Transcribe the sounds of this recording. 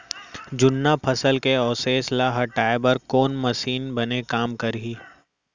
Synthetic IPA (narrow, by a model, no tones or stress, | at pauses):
d͡ʒʊnːapʰɐsəlkeɔːseːslaɦɐʈaːebɐɾkoːnmɐʃiːnbɐnekaːmkɐɾɦiː